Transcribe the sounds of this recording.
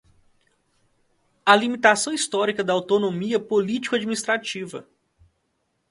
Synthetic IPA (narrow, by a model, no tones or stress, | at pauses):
ɐlimit̪asɐ̃w̃ist̪ɔɾikɐd̪ɐawt̪onõmiɐpolit͡ʃi̥kʊad͡ʒminist̪ɾat͡ʃivɐ̰